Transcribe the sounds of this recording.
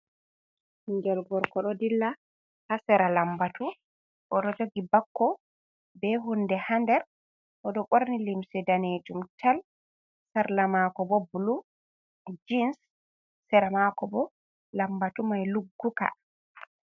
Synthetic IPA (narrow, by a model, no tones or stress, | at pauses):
ɲd͡ʒɛlɡɔɾkɔɗɔdilːa | hasɛɾalambatu | ʔɔɗɔd͡ʒoɡibakːɔ | bɛɦundɛhandɛɾ | ʔɔɗɔɓoɾnilimsɛdaned͡ʒumtʰal | saɾlamakɔbɔbulu | d͡ʒinsː | ɛɾamakɔbɔ | lambatumajluɡːuka̰